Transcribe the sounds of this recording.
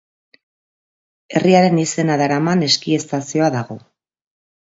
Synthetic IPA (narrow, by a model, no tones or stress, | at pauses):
e̞riaɾe̞nise̞naðaɾamane̞skie̞st̪asio̞aðaɣ̞o̞